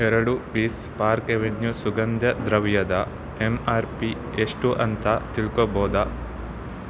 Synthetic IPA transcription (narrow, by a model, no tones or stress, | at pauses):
ɛɾɐɽupiːs | paːɾkeʋenjusuɡɐnd̪jɐd̪ɾɐʋjɐd̪ɐ | emaːɾpi | eʂʈuʔɐ̰nt̪at̪iɭkoboːd̪ɐ